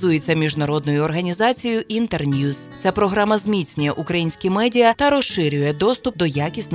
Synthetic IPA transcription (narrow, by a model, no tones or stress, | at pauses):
zujet͡sʲːɐmʲiʒnɐɾɔd̪nɔjʊɔrɦɐnʲizɑt͡sʲijʊʔint̪ernʲjust͡sʲapɾɔɦɾamɐzmʲit͡sʲnʲʊjɛʔukɾɐjinʲsʲkʲimɛdʲijɐt̪ɐɾɔʃʃɪɾʲʊjɛd̪ɔst̪ʊp̚d̪ɔjakʲisʲtʲn